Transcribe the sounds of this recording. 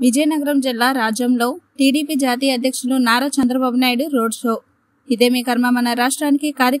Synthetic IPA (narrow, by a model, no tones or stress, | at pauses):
ʋid͡ʒɐjɐnɐɡɐɾɐmd͡ʒilːaːɾaːd͡ʒjɐmlo̞ːʈiːɽiːpid͡ʒaːt̪̬iːjɐd̪ʱjɐkʂɐlunaːɾɐt͡ʃɐnd̪ɾɐbaːbunaːjɽuɾoːɖʂoː | id̪e̞ːmiːkɐɾmɐmɐnɐɾaːʂʈɾaːnikikaːɾjɐ